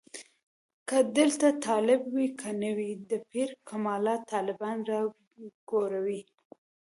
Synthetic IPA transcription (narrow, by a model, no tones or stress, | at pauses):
kad̪əlt̪at̪ɑlɪbwikʰanəwid̪əpʰiɾkʰamɑlɑt̪ɑlɪbɑnɾɑ | ɡ̥oɾawi